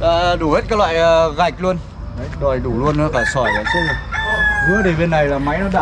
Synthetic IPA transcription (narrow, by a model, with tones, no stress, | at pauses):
aː˨˩˨ɗu˨˧˩he˦˥t̚kaː˦˥klwa̰ː˧˨jːɣa˨˩jk̟̚lu˧ən | a˨˦ɗɔ˨˩jɗu˧˩lu˧ənːɨ˨˦faː˧˩sɔ˧˩jla̰ː˧˩t͡ɕi˦˨˩zɨ˨˦ət̪i˨˩ɓe˧nːa˨˩jlaː˨˩ma˨˦jnɔ˨˦ɗa̰˧˨